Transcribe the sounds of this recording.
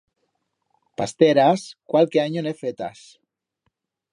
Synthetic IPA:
past̪eɾaskwalkeaɲonefet̪a̰s

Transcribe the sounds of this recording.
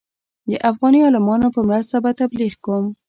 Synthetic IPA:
d̪əʔafɣɑniɑlɪmɑnopəmɾast̪abat̪abliɣkom

